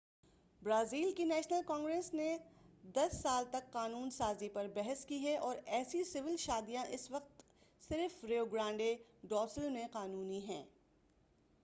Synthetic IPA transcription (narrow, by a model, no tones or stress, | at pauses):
bɾaːziːlkinɛːʃnəlkɔ̃ːŋɡɾesned̪ɐsːaːlt̪ɐkːaːnuːnsaːzipɐɾbɛɦɛskiɦɛʔɔːɾɛːsisɪʋɪlʃaːd̪ijãʔɪsʋɐq̚t̪ | sɪɾfɾeːoɡɾãːɳɖeɖɔːsəlmẽqaːnuːniɦɛ̰̃ː